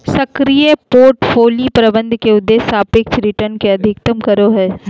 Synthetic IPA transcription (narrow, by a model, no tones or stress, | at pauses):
sɐkɾijepoːɾʈfʰoːlipɾɐbə̃nd̪ʱkeʊd̪ːeːsaːpɪkt͡ʃɾɪʈəɾnkeɐd̪ʱɪk̚t̪əmkɐɾoɦɛː